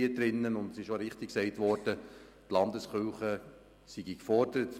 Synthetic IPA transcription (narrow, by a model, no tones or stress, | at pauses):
iədɾɪnːənʊndsɪʃoɾɪχtiksɛɪtʋɔɾd̥ə | tlɑndəsχʏlχə | siɡikfɔrd̥əɾət